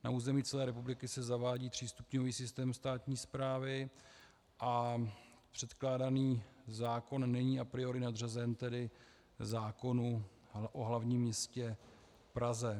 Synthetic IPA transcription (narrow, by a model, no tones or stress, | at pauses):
na̰uːzɛmiːt͡sɛlɛːɾɛpublɪkɪsɛzavaːɟiːp̪r̝̥iːst̪u̥pɲoviːsɪst̪ɛːmst̪aːt̪ɲiːspɾaːvɪ | ʔa | pr̝̥ɛt̪klaːdaniːzaːko̞nːɛɲiːʔapɾɪo̞ɾɪnadr̝azɛnt̪ɛdɪ | zaːko̞nu | ʔoɦlavɲiːmːɲɛscɛ | fpɾazɛ